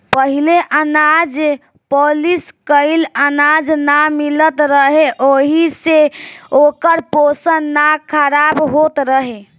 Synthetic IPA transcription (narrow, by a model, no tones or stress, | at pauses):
pəɦileʔənad͡ʒ | poliskəɪlənad͡ʒnamilət̪ɾəɦeʔoɦiseokəɾposənːakʰəɾabɦot̪ɾəɦe